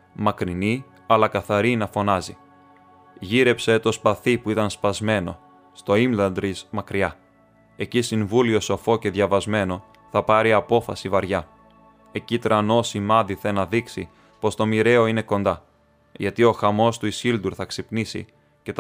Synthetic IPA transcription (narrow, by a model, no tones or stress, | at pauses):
mɐkɾini | ɐlɐkɐθɐɾinɐfo̞nɐzi | ʝiɾe̞pse̞t̪o̞spɐθipuit̪ɐnspɐzme̞no̞̰ | st̪o̞imlɐnd̪ɾizmɐkɾiɐ | e̞cisiɱvulio̞so̞fo̞ce̞ðʝɐvɐzme̞no̞ | θɐpɐɾiɐpo̞fɐsivɐɾʝɐ | e̞cit̪ɾɐno̞simɐðiθenɐðiksḭ | po̞st̪o̞miɾe̞o̞ine̞ko̞nd̪ɐ | ʝɐt̪io̞xɐmo̞st̪uisild̪uɾθɐksipnisḭ | ce̞t̪